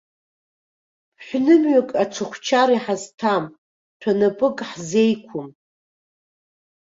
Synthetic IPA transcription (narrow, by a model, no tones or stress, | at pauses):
ħʷᶣnɨmɥakʼaʈ͡ʂʷʰɨχʷt͡ʃʰaɾiħaztʰam | tʰanapʼɨkʼħzejkʷʰʊm